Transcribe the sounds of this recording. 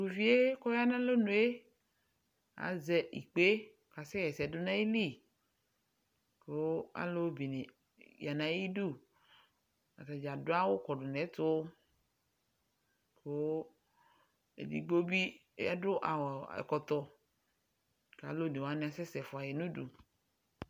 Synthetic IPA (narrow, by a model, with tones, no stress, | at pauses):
du˨vi˦e˦kɔ˦ja˦nã˦lo˦nũ˨˦e˦ | a̰˨zɛ˦ʔḭ˨k͡pe˦ | ka˨sɛ˦jɛ˨sɛ˨dʊ˦nã˦i˦li˦˨ | ke˨wo˦a̰˦lo˦bi˨ne˨ | ja˨nã˨˦i˦du˦˨ | a̰˨ta˨d͡ʒa˨dʊ˦a˦wo˦kɔ˨dʊ˨nɛ˨˦t̪ʊ˦ | ko˨˦ | ḛ˨dḭ˨ɡ͡bo˦bi˦a̰˦dʊ˦ʔa̰˨wɔ˨ɛ̰˨kɔ˨t̪ɔ˨ | ka̰˨˦lo˦˨nẽ˨wa˨nĩ˨˦a˨sɛ˦sɛ˨fʊ˨a˨jɛ˨nũ˦dṵ˨